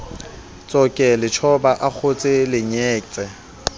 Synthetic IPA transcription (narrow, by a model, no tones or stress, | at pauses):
t͡sʼɔkʼɛlɪt͡ʃʰɔbaʔak͡xʰʊt͡sʼɪlɪɲɛːt͡sʼɛ